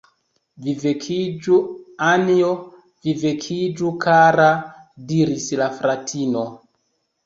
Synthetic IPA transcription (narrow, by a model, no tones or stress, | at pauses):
vivekʰid͡ʒuanio | vivekʰid͡ʒukʰaɾadiɾislafɾatʰino